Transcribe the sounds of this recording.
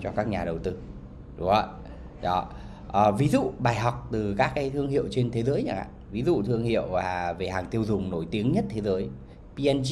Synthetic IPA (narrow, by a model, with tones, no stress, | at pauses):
t͡ɕɔ˧kaː˦˥k̚ɲaː˨˩ɗə˨˩wt̪ɨ˧ | ɗʊ˨˦ŋ͡mʔə˧˩ | ɗɔ˨˦ | ʔəː˨˩vi˨˦zṵ˧˨ɓaː˨˩jɦɔ˨˩wk͡p̚t̪ɨ˨˩kaː˦˥k̚kaː˨˦jt̪ʰɨ˧əŋhḭ˧˨əwt͡ɕe˧nt̪ʰe˨˦zəː˨˦jɲa˨˩kʔa̰ː˧˨vi˨˦zṵ˧˨t̪ʰɨ˧əŋhḭ˧˨əwvaː˨˩ve˨˩haː˨˩ŋt̪i˧əwzʊ˨˩ŋ͡mno˧˩jt̪i˨˦əŋɲə˦˥t̚t̪ʰe˨˦zəː˨˦j | pi˧ʔɛ˧n